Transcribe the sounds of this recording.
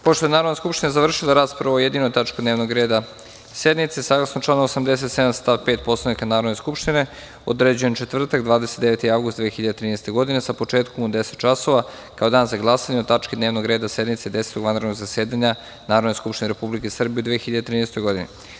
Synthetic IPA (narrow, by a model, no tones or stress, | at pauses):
poʃt̪oe̞naːɾo̞d̪neskupʃt̪inezaʋr̩ʃilˠaɾaːspɾaʋaojed̪inojt̪at͡ʃkod̪neʋnoɡɾe̞ːd̪a | se̞d̪nit̪sesaːɡlˠasnot͡ʃlaːnoosamd̪es̬et̪se̞d̪amst̪aʋpeːt̪po̞slˠanikanaːɾo̞d̪neskupʃt̪ine̞ | o̰d̪ɾed͡ʑuje̞nt͡ʃet̪vr̩t̪akd̪ʋaːd̪eset̪d̪eʋet̪iaʋɡusd̪ʋeexiʎad̪et̪ɾiːnest̪e̞ɡo̞d̪inesapo̞t͡ʃeːt̪komod̪ese̥t̪̚t͡ʃaso̞ʋa | kaod̪aːnzaɡlˠasaɲeot̪at͡ʃkid̪ne̞ːʋnoɡɾe̞ːd̪ase̞d̪nit̪sed̪ese̥t̪oɡʋanɾed̪noɡzase̞ːd̪aɲa | naːɾod̪neskupʃt̪ineɾepublikesr̩bieud̪ʋeexiʎad̪et̪ɾiːnest̪ojɡo̞d̪ḭnḭ